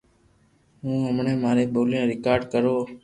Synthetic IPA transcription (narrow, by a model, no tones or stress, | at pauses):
ɦũːɦəmɳẽːmaːɾeːɓoːljãːɾɪkaːɾɖkəɾoː